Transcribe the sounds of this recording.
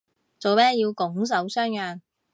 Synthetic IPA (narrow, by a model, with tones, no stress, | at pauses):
t͡so˨wmɛː˥jiː˧wkʊ˨˥ŋs̬ɐ˨˥wsœː˥ŋjœː˨˩n